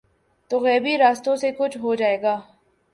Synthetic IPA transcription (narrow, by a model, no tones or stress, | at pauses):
t̪oɣɛːbiɾaːst̪õsekʊt͡ʃʰɦod͡ʒaːeːɡaː